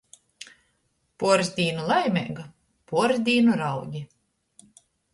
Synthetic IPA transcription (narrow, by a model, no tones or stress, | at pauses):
puɔɾzd̪ʲiːnulˠajmʲɛɡa | puɔɾzd̪ʲiːnuɾawɡʲi